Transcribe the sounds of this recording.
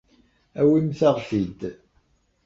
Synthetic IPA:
æwimθaʁfid̪

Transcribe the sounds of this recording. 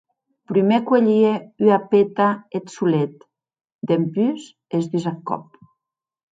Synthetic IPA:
pɾymekweʎieyapet̪aet̪sulet̪ | d̪empyz | ezdizakɔ̰p̚

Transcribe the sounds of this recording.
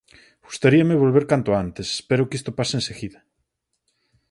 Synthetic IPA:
ɡ̥ust̪aɾiameβolβeɾkant̪oant̪ese̥speɾokist̪opaseenseɣiða

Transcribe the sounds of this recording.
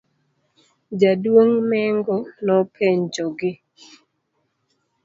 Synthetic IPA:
d͡ʒadwoŋmɛŋɡɔnɔpʰeɲd͡ʒɔɡɪ

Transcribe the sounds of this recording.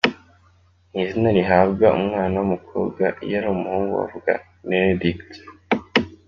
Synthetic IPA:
nizinaɾiɦabɡaʔṵmŋaːnawumukʰo̞̰ːbɡajaɾumuhuːŋɡṵa̰vuɡa̰ | nedikt

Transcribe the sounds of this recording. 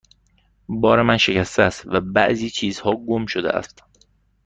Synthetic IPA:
bɒːɾemænʃe̞cæst̪eæst̪væbæ̰ʔziːt͡ʃʰiːzhɒːɡomʃod̪eʔæ̰st̪

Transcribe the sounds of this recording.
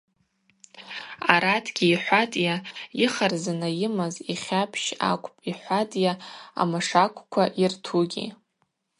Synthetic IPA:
aɾatʰɡʲiːħʷatʼjaiχarzanajɪmaziχʲapʰʃa̰kʷʼpʼiħʷatʼjaa̰maʂakʷʰʼkʷʰaʔirtʰuɡʲḭ

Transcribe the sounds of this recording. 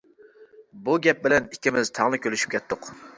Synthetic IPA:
buɡʲɛp̚bɪlɛnikʲːɪmɪzt̪ʰɑʁlˠɨkʲølyʃy̥p̚kʲʰɛt̪ʰːʊq

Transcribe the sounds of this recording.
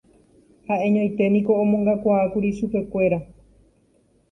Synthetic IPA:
haʔẽ̞ɲõj̃t̪e̞nĩko̞õmõŋɡakʷaakuɾiʃupe̞kʷe̞ɾa

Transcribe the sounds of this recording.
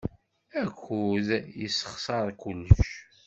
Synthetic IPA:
ækːuðjəsːə̥χsˤɑɾˤkʊlːəʃ

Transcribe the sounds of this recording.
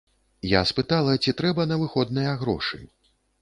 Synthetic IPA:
ja̰spɨt̪alˠɐt͡sʲit̪ɾɛbɐnɐvɨxɔd̪nɐjɐɣɾɔ̰ʂɨ̰

